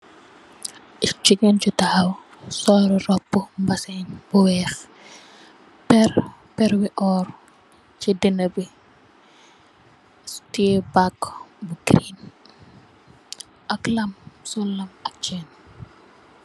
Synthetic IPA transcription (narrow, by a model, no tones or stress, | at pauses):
ʔit͡ʃiɡɛnt͡ʃutaːw | sɔːɾɔrɔpːumbɐsɛɲbuwɛːx | pɛr | pɛɾwiʔɔr | t͡ʃidinɐbi | stiebakːbuɡɾiːn | ʔɐklɐmsɔlːɐmɐk̚t͡ʃɛːn